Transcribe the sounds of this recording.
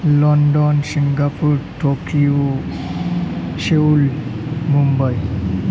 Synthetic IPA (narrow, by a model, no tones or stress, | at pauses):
lɔnɖɔnsiŋɡapuɾʈʰokiu | ɕeulmumbəj